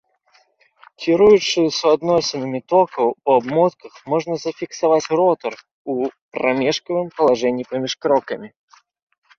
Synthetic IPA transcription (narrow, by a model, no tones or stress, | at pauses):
kʲiɾujut͡ʂɨsuad̪nɔsʲɪnɨmʲit̪ɔkɐwuabmɔt̪kɐxmɔʐnɐzɐfʲiksavat͡sʲrɔt̪ɐr | upɾamʲɛʂkɐvɨmpɐlˠaʐɛnʲːipamʲiʂkɾɔkɐmʲi